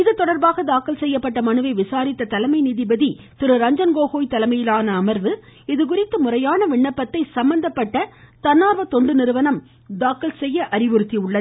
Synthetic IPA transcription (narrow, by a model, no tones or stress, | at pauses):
ɪðɯt̪ːɔɽɐɾbaːɣɐd̪aːkːɐlsɛjːɐpːɐʈːɐmɐnɯʋɐɪʋɪsaːɾɪt̪ːɐt̪ɐlɐmɐɪniːðɪbɐði | t̪ɪɾɯɾɐɲd͡ʒɐnɡoːɣoːjt̪ɐlɐmɐjɪlaːnɐːmɐɾʋɯɪðɯk̬ʊrɪt̪ːɯmʊrɐjaːnɐʋɪɳːɐpːɐt̪ːɐɪsɐmbɐnd̪ɐpːɐʈːɐt̪ɐnːaːɾʋɐt̪ɔɳɖɯnɪɾɯʋɐnɐm | d̪aːkːɐlsɛjːɐʔɐɾɪʋɯɾɯt̪ːiʊɭːɐ